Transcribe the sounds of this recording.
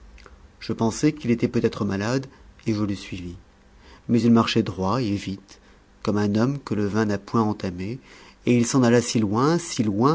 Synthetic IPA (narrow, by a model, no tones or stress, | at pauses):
ʒ̥əpɑ̃sɛkilet̪ɛpøt̪ɛt̪χəmalad̪eʒələsɥivi | mɛzilmaʁʃɛd̪ʁwaevit̪ | kɔmɛ̃nɔmkələvɛ̃napwɛ̃ɑ̃t̪ame | eilsɑ̃nalasilwɛ̃silwɛ̃